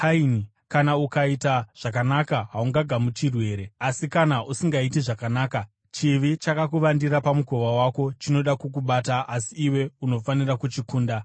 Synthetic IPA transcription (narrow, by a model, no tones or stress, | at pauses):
aini | kanaukaitaʐ̥ak̬anakaɦauŋɡaɡʱamut͡ʃirwe̞ːɾe̞asikanaʔusiŋɡaitiʐakanaːka | t͡ʃiʋit͡ʃakakuʋandiɾapamuko̞ʋawako̞t͡ʃino̞ɗakuk̬uɓataʔasiːwe̞uno̞fanirakut͡ʃikuːnda